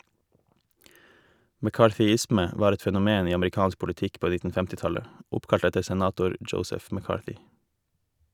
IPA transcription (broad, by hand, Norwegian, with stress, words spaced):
mɛˈkɑːˌʈɪsmə ˈʋɑːɾ ˈɛt ˈfɛnʊˌmeːn ˈiː ɑmɾɪˈkɑːns pʊlɪˈtɪk ˈpoː ˈnɪtn̩ ˈfɛmtɪ ˈtɑlə ˈʊpkɑʎt ˈɛtəɾ sɛˈnɑːtʊɾ ˈdʒəʊsəf mɛˈkɑːʈʏ